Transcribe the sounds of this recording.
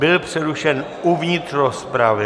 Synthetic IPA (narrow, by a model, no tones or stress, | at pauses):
bɪlpr̥ɛɾuʃɛn | uvɲɪt̪rospɾavɪ